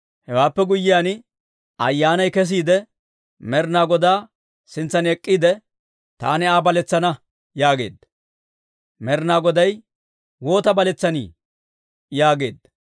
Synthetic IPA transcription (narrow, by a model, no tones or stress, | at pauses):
hɛwaːpːɛɡʊjːɪjaːn | ɐ̰jːaːnɐjkɛs̬iːd̪ɛ | mɛɾnaːɡɔd̪aː | sɪnt͡sːɐnɛkʼːiːd̪ɛ | t̪a̰ːnɪaːbɐlɛt͡sːɐnɐ | jaːɡe̞̰ːd̪ːɐ | mɛɾnaːɡɔd̪ɐj | wo̞ːt̪ɐbɐlɛt͡sːɐnḭː | jaːɡe̞ːd̪ːɐ